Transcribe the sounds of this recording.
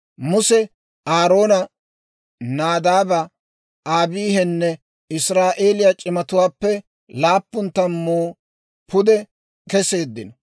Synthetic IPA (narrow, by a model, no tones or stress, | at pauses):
mʊsɛ | aːɾo̞ːnɐ | naːd̪aːbɐ | aːbiːɦɛnːɛ | ɪsɾaːʔeːlɪjat͡ʃʼɪmɐt̪ʊwaːpːɛ | laːpːʊnt̪ːɐmːoː | pʰʊd̪ɛ | kɛse̞ːd̪ːɪnɔ